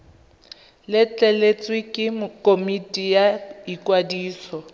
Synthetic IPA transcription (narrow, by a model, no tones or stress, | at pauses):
lɪt͡ɬʼɛlet͡sʼwɪkʼɪmʊkʼomitʼijaikʼwadiːsɔ